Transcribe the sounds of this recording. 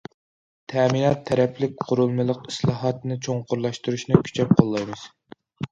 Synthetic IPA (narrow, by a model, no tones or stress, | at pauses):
t̪ʰɛminɑt̪ʰːɛɾɛplɪk̚ʲqʰʊɾulˠmɨlˠəqislˠɑːɦɑt̪nɨt͡ʃʰoŋqʰʊɾlˠɑʃt̪uɾuʃnɨkʲʰy̥t͡ʃʰɛp̚qʰolˠːɑjmɨz̥